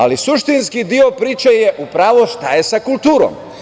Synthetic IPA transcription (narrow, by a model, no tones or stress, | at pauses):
a̰lisuʃt̪inskid̪io̞pɾiːt͡ʃejeʔupɾaːʋoʃt̪aje̞sakulˠt̪uːɾo̰m